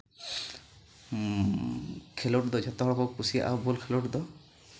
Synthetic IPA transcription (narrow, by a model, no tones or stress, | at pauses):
kʰelɔʈd̪ɔd͡ʒɔt̪ɔɦɔɽɔkɔkusia̰ʔa̰wbɔlkʰelɔʈd̪ɔ